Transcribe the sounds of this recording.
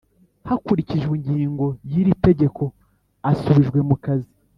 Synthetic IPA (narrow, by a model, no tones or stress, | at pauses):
hakuɾiciʒɡiɲɟiːŋɡo̞jiɾite̞ɟe̞kʰo̞ | asuβiʒɡwe̞mukazi